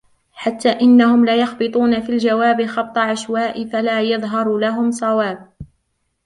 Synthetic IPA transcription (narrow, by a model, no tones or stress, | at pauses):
ħat̪ːaːʔɪnːahʊmlaːjɑxbɨt̪ˤuːnafiːld͡ʒawaːbɪxɑb̚t̪ˤɑʕaʃwaːʔɪfalaːjɑðˤɦɑɾˤlaɦʊmsˤɑwaːb̚